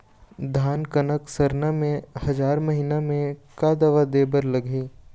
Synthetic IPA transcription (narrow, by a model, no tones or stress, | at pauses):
d̪ʱaːnkɐnəksɐɾnamẽhɐzaːɾmɐɦinamẽkaːd̪ɐʋad̪eːbəɾlɐɡʱiː